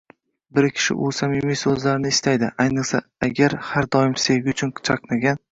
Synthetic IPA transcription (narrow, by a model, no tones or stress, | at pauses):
bɪɾkʲʰɪ̥ʃɪ̰ʔʊsamɪmijsɵzlaɾɪnɪɪst̪ajd̪ɪʔajnɨqsa̰aɡʲaɾhaɾd̪ɒjɪmse̞ɡʲɪʊt͡ʃʰʊnʰt͡ʃʰɑqnaɡʲan